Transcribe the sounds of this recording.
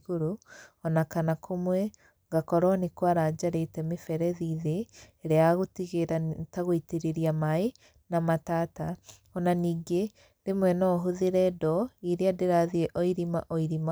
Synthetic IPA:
ɣoɾuɔnakanakʰomwɛ | ŋɡakɔɾɔnekwaɾad͡ʒaɾetɛmefɛɾɛðiːðeːɾeaɣotiɣeɾataɣoiteɾeɾiamae | namataːta | ɔnaniːŋɡe | ɾemwɛnɔːɦoðeɾɛdɔiɾeadeɾaðiɛʔɔiɾima̰ʔɔiɾima

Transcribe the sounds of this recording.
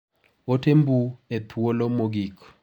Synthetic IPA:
otembuet̪ʰwolomoɡik

